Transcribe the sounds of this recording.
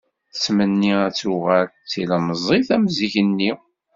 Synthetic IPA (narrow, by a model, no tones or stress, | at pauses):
θət͡sːmənːiæt͡sːuʁæɾt͡sːilæməzˤiθæmziçənːi